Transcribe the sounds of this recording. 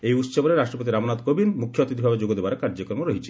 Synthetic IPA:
ejut̪ːʃɔboneɾaʃʈɾopot̪iɾamnat̪kobinmukʰjoot̪id̪ʰʱibʱabed͡ʒoɡod̪ebaɾkaɾd͡ʒokɾomoɾoɦit͡ɕʰi̥

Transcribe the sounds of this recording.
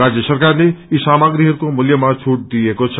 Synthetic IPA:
ad͡ʒjəsəɾkaɾneisaːmaɡɾiɦəɾkomʊljəmãt͡ʃʰuʈ̚d̪iekot͡ʃʰ

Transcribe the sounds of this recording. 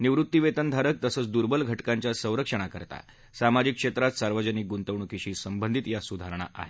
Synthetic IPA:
niʋɾut̪ːiʋet̪ənd̪ʱaɾək̚t̪əsəːt͡sd̪uɾbəlɡʱəʈkaɲt͡ɕjasə̃ɾəkʂəɳ̃akəɾt̪a̰ | samad͡ʑikːʂet̪ɾat̪saɾʋəd͡ʑənik̚ɡunt̪əʋɳukiɕiːsəmbənd̪ʱit̪jasud̪ʱaɾəɳ̃a̰ʔa̰ɦe

